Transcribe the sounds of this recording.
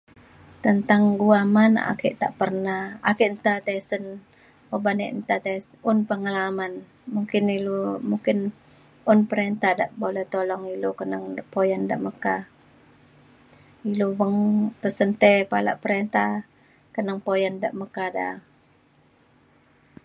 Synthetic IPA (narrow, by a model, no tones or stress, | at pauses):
t̪ənt̪aŋɡuamana̰kiʔt̪aʔpərnaha̰kiʔnt̪at̪ɛsən | obanɛ̰ʔnt̪at̪eʊnpəŋalaman | muŋkɪnilomuŋkɪn | ʊnpəɾent̪ahda̰ʔbolɛht̪olɔŋilokənəŋpojanda̰ʔməka | ilowəŋpəsənt̪ɛpala̰ʔpəɾent̪a | kənəŋpojandaʔməkada̰